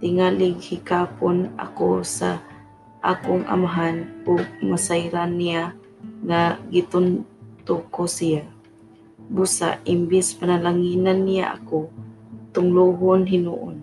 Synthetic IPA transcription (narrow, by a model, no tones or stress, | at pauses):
t̪ɪŋalɪɡhikaːpona̰kosa̰ | ʔa̰ːkʊŋʔa̰maɦanʊɡ̚masajɾanːija | ŋaɡit̪ʊnt̪ʊkosija | busa̰ʔɪmbɪspanalaŋinanːija̰ʔa̰kot̪ʊŋluɦʊnɦɪnṵʔʊn